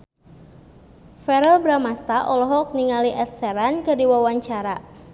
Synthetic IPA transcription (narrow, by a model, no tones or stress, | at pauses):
fɛɾɛlbɾamast̪aʔɔlɔɦɔk̚niŋaliʔɛt̪̚sɛɾankədiwawaɲt͡ʃaɾa